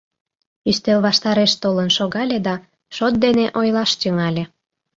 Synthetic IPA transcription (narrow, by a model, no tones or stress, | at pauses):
yst̪elβɑʃt̪ɑɾeʃt̪olənʃoɣɑlʲed̪ɑ | ʃot̪̚d̪eneʔojlɑʃt̪yŋɑlʲe